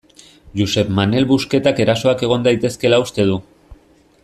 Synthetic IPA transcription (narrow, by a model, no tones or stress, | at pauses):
ʝuse̞pmane̞lβuske̞t̪ake̞ɾaso̞ake̞ɣ̞o̞nd̪ajt̪e̞ske̞laust̪e̞ð̞u